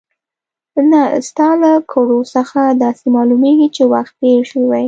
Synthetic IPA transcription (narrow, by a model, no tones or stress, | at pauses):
nast̪ɑləkʰoɽosəxad̪ɑsemɑlumeɡit͡ʃewaxt̪̚peʂiwaj